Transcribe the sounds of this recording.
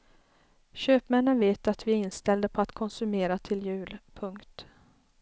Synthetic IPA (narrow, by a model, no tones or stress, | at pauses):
ɕøːpmɛnːənveːt̪at̪vɪæɾɪnst̪ɛld̪əpʰɔat̪kʰɔnsɵmeːɾat̪ʰɪljʉ̟ːlpʰɵŋkt̪